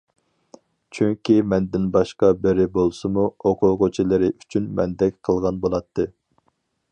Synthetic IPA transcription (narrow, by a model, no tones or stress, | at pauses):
t͡ʃʰyŋkʲimɛnd̪ɪnbɑʃqɑbɪɾɪbolˠsɨmuoqʰʊʁot͡ʃʰilˠɨɾɪʔyt͡ʃʰynmɛ̰nd̪ɛkʲqʰəlˠʁɑnbolˠɑt̪ʰːɨ